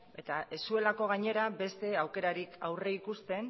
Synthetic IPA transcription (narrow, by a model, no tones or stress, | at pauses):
e̞t̪ae̞sue̞lako̞ɣ̞aɲe̞ɾabe̞st̪e̞awke̞ɾaɾikawre̞ikust̪e̞n